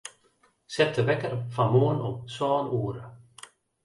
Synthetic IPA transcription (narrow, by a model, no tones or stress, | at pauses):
sɛt̪ʰːəvɛkːaɾfamoːnɔmsɔːnuːɾə